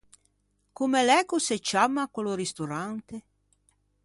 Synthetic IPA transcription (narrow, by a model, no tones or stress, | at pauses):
kumelɛɡuset͡ʃːamːakoloɾist̪oɾant̪e